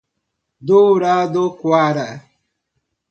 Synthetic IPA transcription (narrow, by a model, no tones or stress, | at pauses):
dʊɾadokwaɾa